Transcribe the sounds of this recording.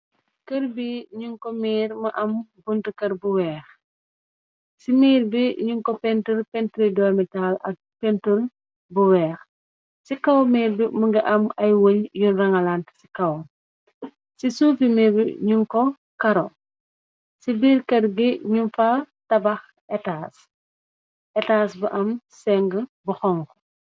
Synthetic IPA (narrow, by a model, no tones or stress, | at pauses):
kɐɾbiɲuŋkɔmiːɾmɐʔɐmbuntukɐɾbuwɛːx | simiːɾbiɲuŋkɔpɛntuɾpɛntɾidɔamitalɐk̚pɛntul | buwɛːx | sikɐwmiːɾbiməŋɡɐʔɐmɐjwoɲjunrɐŋɐlantsi̥kɐw | sisuːfimiːɾbḭɲuŋkɔ | kɐɾɔ | sibiːɾkɐdɡiɲunfa | tɐbɐx | ɛtaːs | ʔɛtaːsbɐʔɐmsɛŋɡəbuxɔŋkɔ̥